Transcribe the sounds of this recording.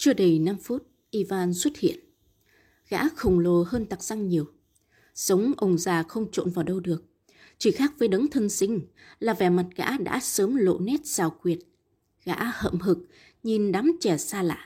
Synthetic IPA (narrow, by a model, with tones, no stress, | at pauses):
t͡ɕɨ˧əɗə˨˧˩jna˧mfu˦˥t̚ | ʔi˧vaː˧˩nswə˦˥t̚hḭ˧˨ən | ɣa̰ː˧˥xə˨˩wŋ͡mlo˨˩həː˧nt̪a˨˩k̚z̥a˧ŋɲi˨˩əw | sə˨˦wŋ͡mʔə˨˩wŋ͡mzaː˨˩xə˧wŋ͡mt͡ɕo̰˧˨nvaː˨˩wɗə˧wɗɨ˨˩ək̚ | t͡ɕi˧˩xaː˦˥k̚vəː˨˦jɗə˨˦ŋt̪ʰə˧nsï˧ŋ̟ | laː˨˩vɛ˨˩ma˨˩t̚ɣa̰ː˧˥ɗa̰ː˧˥səː˨˦mlo̰˧˨nɛ˦˥t̚z̥aː˨˧˩wkwi˨˩ət̚ | ɣa̰ː˧˥hə̰˧˨mɦɨ˨˩k̚ | ɲi˨˩nɗa˨˦mt͡ɕɛ˧˩saː˧la̰ː˧˨ʔ